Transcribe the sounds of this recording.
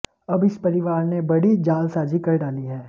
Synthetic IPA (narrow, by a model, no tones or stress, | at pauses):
ɐbɪspɐɾɪʋaːɾnebɐɽid͡ʒaːlsaːd͡ʒikɐɾɖaːliɦɛ̃ː